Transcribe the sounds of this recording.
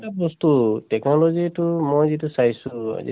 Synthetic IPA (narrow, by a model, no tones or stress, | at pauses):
tabɔst̪utɛknɔlɔzitumojzitusajsua̰zḭ